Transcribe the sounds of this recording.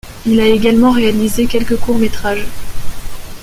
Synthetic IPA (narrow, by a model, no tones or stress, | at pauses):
ilaeɡalmɑ̃ʁealizekʲɛlkəkuʁmet̪χaʒ